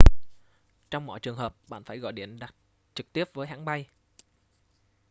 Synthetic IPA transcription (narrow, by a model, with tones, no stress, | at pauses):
t͡ɕɔ˧wŋ͡mmɔ̰˧˨jt͡ɕɨ˨˩əŋɦəː˨˩p̚ɓa̰ː˧˨nfaː˧˩jɣɔ̰˧˨jɗi˧˩ənɗa˨˩t̚ | t͡ɕɨ˨˩k̚t̪i˦˥əp̚vəː˨˦jɦa̰ː˧˥ŋɓa˧j